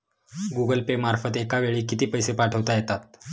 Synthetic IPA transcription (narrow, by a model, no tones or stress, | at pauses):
ɡuɡəlpemaɾfət̪ekaʋeɭiːkit̪iːpəjsepaʈʰəʋt̪ajet̪at̪̚